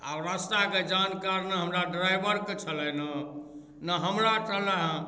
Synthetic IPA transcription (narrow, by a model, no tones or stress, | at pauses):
a̰bɾast̪aked͡ʒankaɾneɦəmɾaɖɾajbəɾket͡ʃʰəlɛnə | nəɦəmɾaʈələɦə̃